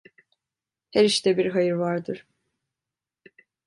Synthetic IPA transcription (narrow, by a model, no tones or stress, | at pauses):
hɛɾiʃt̪ʰɛbiɾɦajɯɾvaɾd̪ɯɾ̥